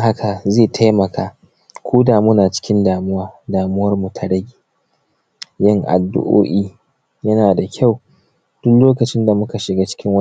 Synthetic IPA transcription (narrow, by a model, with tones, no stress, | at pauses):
ha˦ka˨zeː˦˨tʰa˦jmɐ˨kʰaː˦ | kʷuː˦daː˨muː˦naː˨t͡ʃɪ̥˦kʲɪ˦ndaː˨mʊ˦waː˦daː˨mʊ˦wɐ˦rmu˨tʰa˨ɽɐ˦ɡʲiː˨ | jɐ˦ŋʔa̰˨dːʊ̰˦˨ʔo̰ː˦ʔiː˦ | jɐ˦naː˨da˨kʲʰa˦˨w | d̥ʊ˦kloː˦kɐ˨t͡ʃɪ˦nda˨mʊ˦ka˨ʃɪ˨ɡaː˦t͡ʃɪ̥˦kʲɪ˦ŋwɐ˦